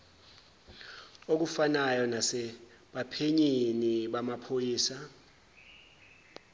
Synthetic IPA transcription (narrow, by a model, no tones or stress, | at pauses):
ok̬ufanajɔnasɛ | ɓapʰeɲiniɓamapʰojiːsa